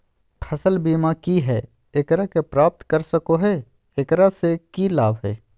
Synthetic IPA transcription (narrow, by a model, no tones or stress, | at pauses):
pʰɐsəlbiːmakiɦɛː | ekɾakepɾaːp̚t̪kəɾsəkoɦɛː | ekɾasekilaːbɦɛ̰ː